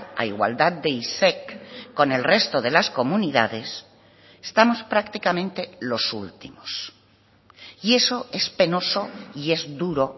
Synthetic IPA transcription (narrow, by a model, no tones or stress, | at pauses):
a̰iɣwa̰ld̪að̚d̪e̞isekːo̞ne̞lre̞st̪o̞ð̞e̞lasko̞muniða̰ðe̞s | est̪amo̞spɾakt̪ikamẽ̞nt̪e̞lo̞sṵlt̪imos | ie̞so̞e̞spe̞no̞soie̞zd̪uɾo̞